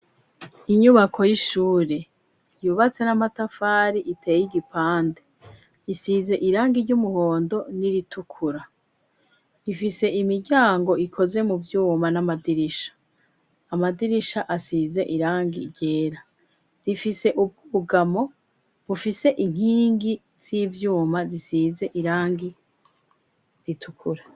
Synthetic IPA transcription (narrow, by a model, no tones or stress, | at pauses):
iɲuβakʰo̞jiʃuːɾe̞ | juːβat͡se̞namatafaːɾiʔitʰe̞ːjjiɡipaːnde | isize̞ʔiɾaːŋɡiɾɟumuho̞ːndo̞niɾitʰukʰuɾa | ifise̞ʔimiɾɟaːŋɡo̞ikʰo̞ze̞muvjuːmanamadiɾiʃḁː | madiɾiʃaʔasize̞̰ʔiɾaːŋɡḭɾɟe̞ːɾa | zifise̞ʔub̚ɡuɡamo̞ | βufise̞ʔiŋ̥hiːŋɡi | z̥iːvjuːmazisiːze̞ʔiɾaːŋɡi | ɾitʰukʰuɾa